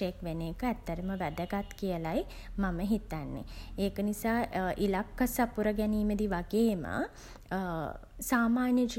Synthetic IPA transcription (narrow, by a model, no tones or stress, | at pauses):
ekʋeneːkəæt̪ːəɾəməʋæd̪əɡat̪kijəlaj | maməɦit̪anːḛeːkənisaːʔilakːəsapuɾəɡɛniːməd̪iʋaɡeːmə̰ | saːmaːnjəd͡ʒ